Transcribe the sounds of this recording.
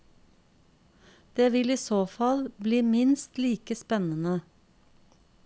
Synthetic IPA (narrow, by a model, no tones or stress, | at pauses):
d̪̥eːʋɪliːsoːfɑlbliːmɪnst̪liːkəspɛnənə